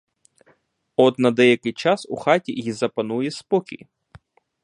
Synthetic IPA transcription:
ɔt̪nɐd̪ɛjɐkɪjt͡ʃɑsṵxɑtʲḭjizɐpɐnujɛspɔkʲḭj

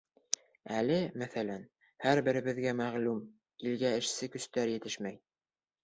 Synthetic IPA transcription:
ælɘmæθælæn | hæɾbɘ̆ɾɘ̆βɘ̆ðɡæmæʁlum | ilɡæɘ̆ʃsɘkɵ̆st̪æɾjɘ̆t̪ɘʃmæj

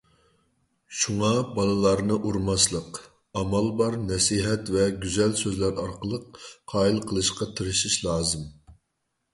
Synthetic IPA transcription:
ʃuŋɑbɑnˠɨlˠɑɾnɨʔuɾmɑslˠəq | ɑmɑlˠbɑɾnɛsiɦɛt̪vɛɡʲyzɛlsøzlæɾɑɾqəlˠəqːʰɑːilˠqʰəlˠɨʃqɑt̪ʰɨɾɨʃiʃlˠɑːzɨm

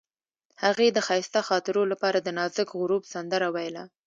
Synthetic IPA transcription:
haɣed̪əxɑjɪst̪axɑt̪ɪɾolapɑɾad̪ənɑzəkɣʊɾubsand̪əɾawajla

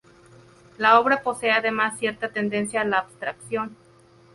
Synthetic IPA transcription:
lao̞βɾapo̞seaðemasːje̞ɾt̪at̪end̪e̞nsjaːlaːbst̪ɾaksjo̞n

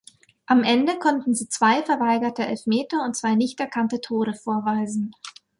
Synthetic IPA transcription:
ʔamʔɛndəkʰɔntn̩ziːt͡sv̥aɪfɛɐvaɪɡɐtʰəʔɛlfmeːtɐʊnt̚t͡sv̥aɪnɪçtɛɐkʰantətʰoːʁəfoːɐvaɪzn̩

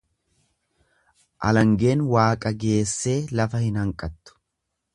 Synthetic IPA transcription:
ʔɐ̰lɐŋɡe̞ːnwaːkʼɐɡe̞ːsːe̞ːlɐfɐhɪnhɐŋkʼɐt̪ːʊ̥

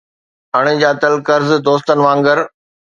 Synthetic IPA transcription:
əɽ̃ẽd͡ʑaːt̪ɐlkəɾzd̪oːs̬t̪ənɪ̆ʋãːŋɡəɾ

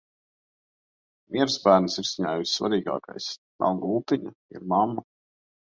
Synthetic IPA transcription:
mʲʔʲiɛɾsbæːɾnsiɾsiɲaːjusʲsva̰ɾiːɡɑ̰ːka̰js | na̰lɡulˠt̪iɲaḭɾmamːa

